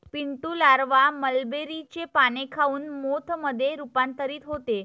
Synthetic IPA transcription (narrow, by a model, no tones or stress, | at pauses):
piɳʈuːlaɾʋaməlbeɾit͡ɕepanekʰauːnmot̪ʰməd̪ʱːjeɾupant̪əɾiːt̪ɦot̪e